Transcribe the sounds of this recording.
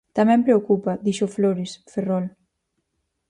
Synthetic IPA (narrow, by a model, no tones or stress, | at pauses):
t̪amɛ̃mpɾeokupaðiʃofloɾisferɔl